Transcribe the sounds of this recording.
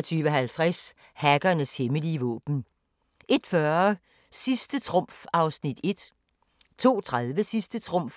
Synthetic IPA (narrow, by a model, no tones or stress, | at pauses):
ɐt͡sʰyːʋəɒɦælt͡sʰʁas | hæɡ̥ɐnəsheməliːəʋɔ̰ːb̥n̩ | ʔe̝d̥fɶɐ | sisd̥ət͡sʰʁɔ̽m̰fɑ̈ʊsnid̥e̝d̥ | t͡sʰo̝̰ːt͡sʰʁaðˠʋəsisd̥ət͡sʰʁɔ̽m̰f